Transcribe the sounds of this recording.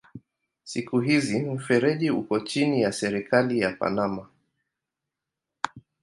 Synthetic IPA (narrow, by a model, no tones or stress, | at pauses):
sikuɦizim̩fɛɾɛʄiṵkɔt͡ʃinijasɛɾikalijapa̰nama